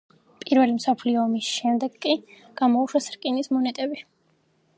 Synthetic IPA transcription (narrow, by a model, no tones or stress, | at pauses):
pʼiɾvɛlimsɔpʰliɔːmisʃɛmd̪ɛɡkʼːi | ɡ̥amɔuʃwasɾkʼinismɔnɛt̪ʼɛbi